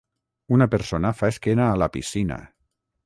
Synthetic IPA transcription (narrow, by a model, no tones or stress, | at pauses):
unapeɾsonafaeskenaːlapḭsina̰